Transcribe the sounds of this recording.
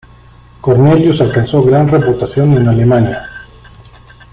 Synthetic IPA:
ko̞ɾne̞ljusalkanso̞ɣɾanreput̪asjo̞ne̞nale̞manja

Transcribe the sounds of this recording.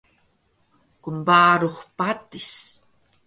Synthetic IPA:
kəmbaːɾuχpat̪is

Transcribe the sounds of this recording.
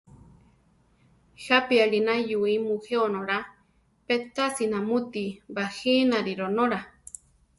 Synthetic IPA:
hapiaɺinajuimuheonoɾa | pet̪asinamut̪ibahinaɾiɾonoɾa

